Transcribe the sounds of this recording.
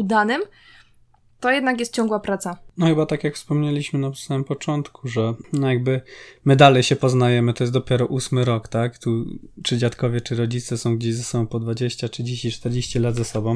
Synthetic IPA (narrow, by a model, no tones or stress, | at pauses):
ud̪anɘm | t̪ɔjɛd̪nak̬jɛst̪̚t͡ɕɔ̃ŋɡwapɾat̪sanɔxɘbat̪akjakfspɔmɲelʲiɕmɘnasamɘmpɔt͡ʂɔnt̪kʰuʐɛnɔjaɡ̚bɘmɘd̪alɛjɕɛpɔznajɛmɘt̪ɔjɛst̪d̪ɔpʲjɛɾɔʔusmɘɾɔkt̪akt̪ut͡ʂɘd͡ʑat̪kɔvʲjɛt͡ʂɘɾɔd͡ʑit̪sɛsɔ̃w̃ɡd͡ʑeʑzasɔbɔ̃w̃pɔd̪vad͡ʑeɕt͡ɕatʂɘd͡ʑeɕt͡ɕit͡ʂt̪ɛɾd͡ʑeɕt͡ɕilad̪zasɔbɔ̃w̃